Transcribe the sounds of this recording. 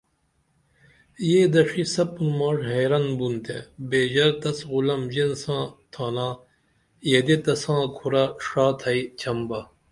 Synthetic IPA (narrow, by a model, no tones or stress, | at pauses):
jeːd̪ɐʂisɐpunmaːʂɦeːɾɐnbunt̪ʰḛ̃beːd͡ʑɐɾt̪ɐsɣulɐmd͡ʑensãːt̪ʰaːnãː | jed̪et̪ɐsãːkʰuɾɐʂaːt̪ʰɐit͡ɕʰɐmbɐ